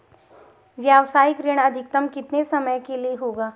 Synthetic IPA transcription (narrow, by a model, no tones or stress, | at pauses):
ʋjaːʋsaːɪkɾeːɽ̃ɐd̪ʱɪk̚t̪əmkɪt̪nesɐməjkelieɦoːɡaː